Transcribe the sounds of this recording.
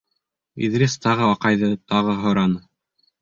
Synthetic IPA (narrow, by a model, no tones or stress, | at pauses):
ḭðɾʲest̪ɑʁɤɑqɑjðɤt̪ɑʁɤɦŏɾɑnɤ